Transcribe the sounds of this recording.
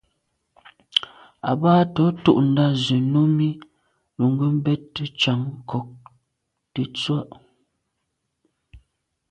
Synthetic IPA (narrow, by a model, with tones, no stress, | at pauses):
a̰˨baː˦tɔ˨˦tṵ˦ʔn̩˨da˦ze˨no˦mi˦ | lu˨ŋ˦ɡə˦m̩˦bɛ˦tːə˦t͡ʃa˨˦ŋ˦kʰɔ˨k̚ | te˨t͡swa˦˨ʔ